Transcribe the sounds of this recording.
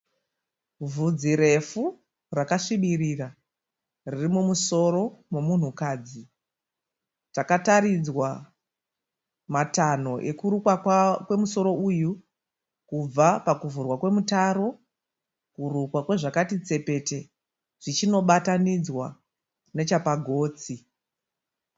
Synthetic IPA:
vud͡ziɾe̞fu | rakaʂiɓirira | ririmumuso̞ɾo̞momun̤ukaːd͡zi | takataɾid͡zwa | matano̞ʔe̞kurukwakwe̞muso̞ɾo̞uju | kub͡vapakuvurwakwe̞mutaɾo̞ | kurukwakwe̞ʐakatit͡se̞pe̞te̞ | ʐ̥it͡ʃino̞ɓatanid͡zwa | ne̞t͡ʃapaɡʱo̞ːt͡si

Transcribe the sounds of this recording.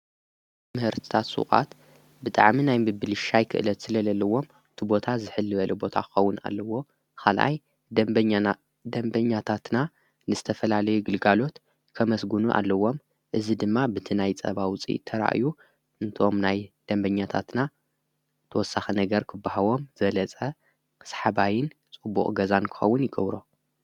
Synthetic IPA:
mɨhɨɾt̪ʰɨ̥t̪ʰat̪sʼṵχʼa̰t̪ | bɨt̪ʼa̰ʕminajmɨbɨlɨʃajkʰɨ̰ʔɨlɐt̪sɨlɐlɐlːɐwo̞m | ɨt̪ʰibo̞t̪ʰazɨħɨlːɨβɐlʔubo̞t̪ʰakʰɨ̥xɐwːʊna̰lːɐwo̞ | kʰalʔa̰j | d̪ɐmbɐɲːat̪ʰat̪na | nɨzɨt̪ʰɐfɐlalɐjuɡɨlɡalo̞t̪ | kʰɐmɐsɡunuʔa̰lːɐwo̞m | ʔɨzid̪ɨmːabɨt̪ʰinajt͡sʼɐ̰βawʊt͡sʼḭt̪ʰɐɾa̰ʔju | ʔɨnt̪ʰo̞mnajd̪̥ɐmbɐɲːat̪ʰa̰t̪na | t̪ʰɐwɔsːaxɐnɐɡɐɾkʰɨbːahawo̞mzɐlɐt͡sʼɐ | sḁħabajɪnt͡sʼɨbːṵχʼɡɐzankʰɨ̥xɐ̰wːʊnjɪɡɐβɾo

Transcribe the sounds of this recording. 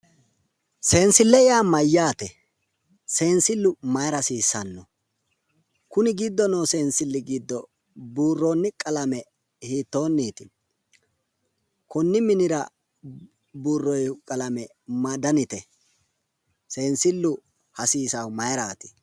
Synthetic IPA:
se̞ːnsɪlːɛjaːmɐjːaːt̪ɛ | se̞ːnsɪlːʊmɐjɾɐsiːsːɐnːɔ | kʊnɪɡid̪ːɔnoːseːnsɪlːɪɡid̪ːɔ | buːrːoːnːɪkʼɐlɐmɛ | hiːt̪ːo̞ːnːiːt̪ɪ | kʊnːɪmɪnɪɾɐ | buːrːɔjkʼɐlɐmɛ | mɐd̪ɐnɪt̪ɛ | se̞ːnsɪlːʊ | hɐsiːsɐmɐjɾaːt̪ɪ̥

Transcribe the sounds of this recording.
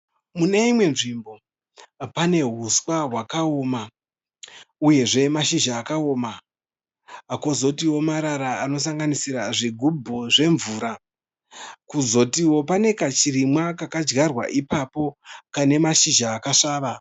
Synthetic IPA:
mune̞imwe̞nʐimbo̞ | pane̞ɦuswaɦwakao̞ːma | uje̞ʐe̞maʃiʒaːkao̞ːma | ko̞zo̞tiwo̞maɾaɾaːno̞s̬aŋɡanisiɾaʐiɡʱubʱoʐe̞ɱvuːɾa | kuzo̞tiwo̞pane̞kat͡ʃiɾimwakakad͡ʒɡarwa̰ʔipapo̞kane̞maʃiʒaːkaʂaːʋa

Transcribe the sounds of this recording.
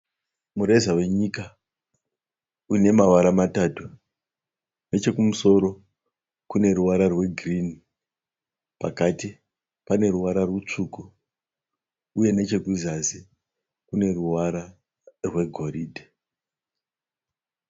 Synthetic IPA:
muɾezawe̞ɲika | une̞mawaɾamataːtu | ne̞t͡ʃe̞kumuso̞ɾo̞ | kune̞ɾuʋaɾarwe̞ɡʱrini | pa̰kati | pane̞ɾuwaɾarwut͡ʂuku | uje̞net͡ʃe̞ɡʱizazi | kune̞ruwaɾa | rwe̞ɡʱo̞ɾiːdʱe

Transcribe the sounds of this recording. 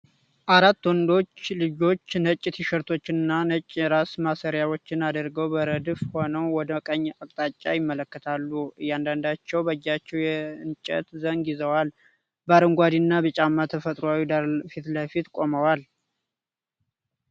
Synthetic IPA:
ʔaɾat̪ːwɔnd̪o̞t͡ʃːlɨd͡ʒo̞t͡ʃːnət͡ʃʼːɪt̪ʰiʃəɾt̪ʰo̞t͡ʃːɪnɨnːanət͡ʃʼːɾasmasəɾjawo̞t͡ʃːɪnad̪əɾɡəwbəɾəd̪ɨfho̞nəwwɔd̪əkʼəɲːakʼt̪ʼat͡ʃʼːajɪmːələkːət̪ʰalːuɨjːand̪and̪at͡ʃːɛwbəjːat͡ʃːɛwjɛɨnt͡ʃʼɛ̰t̪zənɡjɪzəwal | baɾəŋɡʷad̪inːabət͡ʃʼamːat̪ʰəfət̪ʼɾoawid̪aɾfit̪ləfit̪kʼo̞məwal

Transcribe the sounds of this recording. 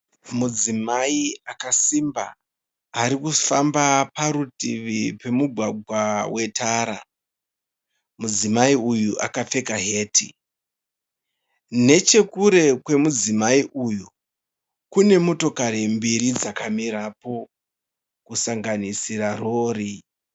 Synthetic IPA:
mud͡zimaiakasimba̰ː | ɾikufambapaɾutiʋipe̞muɡʱwaɡʱwawe̞taːɾa | mud͡zimaiujuʔa̰kap͡fe̞kaɦe̞ːtʰi | ne̞t͡ʃe̞kuɾe̞kwe̞mud͡zimaiʔuju | kune̞moto̞kaɾembiɾid͡zakamiɾapo̞ | kusaŋɡanisiraro̞ːri

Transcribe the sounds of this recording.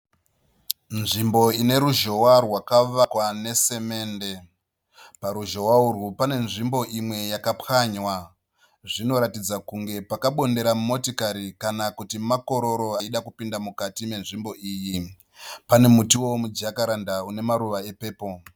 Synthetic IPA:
nʐimbo̞ine̞ɾuʒo̞warwakaʋakwane̞se̞me̞ːnde̞ | paɾuʒo̞waurwupane̞nʐimbo̞ʔimwe̞jakapaɲwa | ʐino̞ɾatid͡zakuŋɡe̞pakaɓo̞nde̞ɾamumo̞tikaɾikanakutimako̞ɾo̞ɾo̞aiɗakupindamukatime̞nʐimbo̞iːji | pane̞mutiwo̞mud͡ʒakaɾandaune̞maɾuʋae̞pe̞ːpo̞

